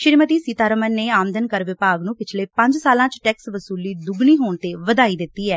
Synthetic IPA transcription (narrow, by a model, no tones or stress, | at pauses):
ʃɪɾmət̪iːsiːt̪aːɾəmənːeːaːmd̪ənkəɾʋɪpaːɡnũːpɪt͡ʃʰleːpə̃ɲd͡ʒsaːlãːt͡ʃʈɛːksʋəsuːliːd̪ʊɡniːɦoːɳt̪eːʋəd̪aːiːd̪ɪt̪ːiːɛː